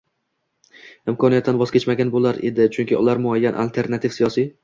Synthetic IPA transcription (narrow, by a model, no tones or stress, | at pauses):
ɪmkʰɒnijat̪ːanvɒzkʲet͡ʃmaɡʲanbolaɾe̞d̪ɪt͡ʃʰʊŋkʲɪʊ̰laɾmʊajːanʔa̰lt̪ʰe̞ɾnat̪ʰɪfsijɒsi